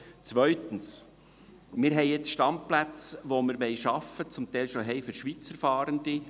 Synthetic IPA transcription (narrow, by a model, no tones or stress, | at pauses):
t͡sʋœʏt̪əns | mɪːɾɦɛɪjɛt͡sʃtɑmplæt͡sʋomɪɾʋɛɪʃɑfət͡sʊmt̪ɛɪlʃoɦɛɪfʏɾʃʋit͡səɾfɑːɾənd̪ɪ